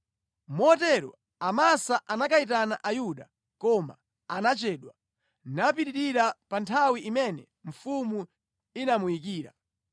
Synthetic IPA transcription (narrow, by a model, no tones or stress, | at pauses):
mɔtɛɾɔ̰ | amasaʔanakait̬anaʔajuɗa | kɔma̰ | anat͡ʃɛːɗwa | napiɾiɾiɾapantʰawiʔimɛnɛ | ɱ̩fumu | inamujikiːɾa̰